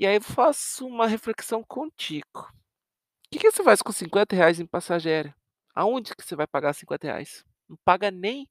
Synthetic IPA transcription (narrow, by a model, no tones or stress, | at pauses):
ɪaifasʊũmɐɦefleksɐ̃w̃kʰõt͡ʃiɡ̥ʊ | ʊkɪkɪvosefajskõsĩŋkwẽnt̪ɐɦeajzẽj̃pasaʒeɾɐ | a̰õd͡ʒɪkɪ̥sevajpaɡaɾsĩkwẽnt̪ɐhḛa̰js | nɐ̃w̃paɡɐnẽj̃